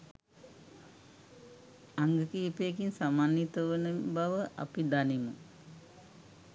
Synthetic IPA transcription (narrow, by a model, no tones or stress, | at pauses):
aŋɡəkiːpeːk̬insamaːnit̪əʋənəbaʋəʔa̰pid̪animə